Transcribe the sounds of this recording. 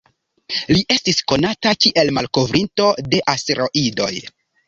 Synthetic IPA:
liʔe̞stisko̞natakiʔe̞lmalko̞vɾʔinto̞de̞ʔasteɾo̞ʔido̞j

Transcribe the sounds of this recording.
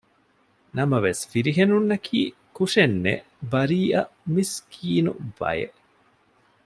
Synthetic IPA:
nɐmɐʋesfiɾiɦenunːɐkʰiː | kuʂenːḛ | bɐɾiːɐmiskʰiːnṵʋɐ̰jḛ

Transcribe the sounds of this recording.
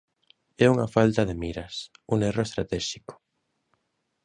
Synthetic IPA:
ɛuŋafalt̪ɐðemiɾɐsuŋeroest̪ɾat̪ɛʃikʊ̥

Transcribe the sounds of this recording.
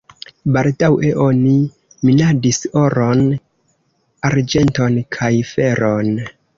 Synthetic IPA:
baldawʔeʔo̞ni | minadiso̞ɾo̞n | aɾd͡ʒe̞nto̞nkʰajfe̞ɾo̞n

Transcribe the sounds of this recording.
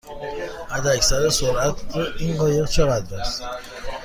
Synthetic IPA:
æd̪æcsæɾesoɾæt̪ʰʔinɢɒːjeɣt͡ʃʰeɣæd̪bæs

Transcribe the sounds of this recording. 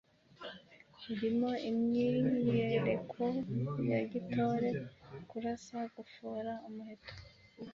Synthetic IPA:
iɾimo̞imɲiɲieɾekʰojaɟitoːɾe̞kuɾasaɡufuːɾaomuheto̥

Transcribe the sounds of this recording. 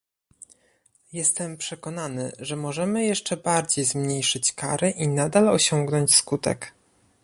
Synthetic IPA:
jɛst̪ɛmpʂɛkɔn̪anɘ̰ʐɛmɔʐɛmɘjɛʂt͡ʂɛbaɾd͡ʑejzmɲejʂɘt͡ɕkaɾɘʔinad̪alɔɕɔŋɡnɔɲt͡ɕskut̪ɛ̰k

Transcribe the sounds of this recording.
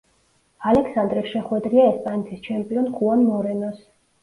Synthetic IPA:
alɛkʰsand̪ɾisʃɛχwɛd̪ɾiaɛspʼanɛt̪ʰist͡ʃʰɛmpʼiɔnχʰʼuanmɔɾɛnɔs

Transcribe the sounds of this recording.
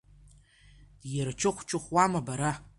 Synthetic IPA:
d̥jart͡ʃʰɨχʷt͡ʃʰɨχʷwamabaɾa

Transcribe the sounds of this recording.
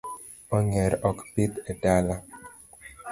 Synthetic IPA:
ɔŋɛɾɔkpit̪edala

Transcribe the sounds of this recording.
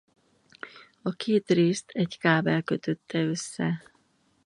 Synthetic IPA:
ɒkʰeːt̪reːst̪ʰɛɟkaːbɛlkø̞t̪ø̞t̪ːɛøsːɛ

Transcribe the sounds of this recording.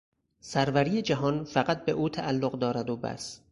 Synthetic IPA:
sæɾvæɾiːed͡ʒæɦɒːnfæɢæt̪̚be̞ʔuːt̪ʰæʔælːoɢd̪ɒːɾæd̪obæ̰s

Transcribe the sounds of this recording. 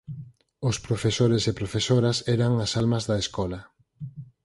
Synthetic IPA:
ʊspɾofesoɾesepɾofesoɾasɛɾaŋasalmɐzðɐeskɔlɐ

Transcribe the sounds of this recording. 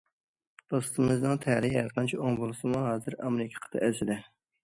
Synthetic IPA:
d̪̥ost̪ɨmɨznɨŋt̪ʰæhɾɪæɾqʰɑnt͡ʃʰioŋbolˠɨsɨmuɦɑːzɨɾɑmɾɪkʲʰe̥qʰə̥t̪ʰɨɛsɪd̪ɛ

